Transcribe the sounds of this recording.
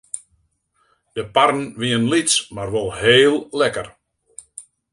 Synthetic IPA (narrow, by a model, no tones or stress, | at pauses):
d̥əparn̩ʋiənlismarʋolˠheːlˠlɛkər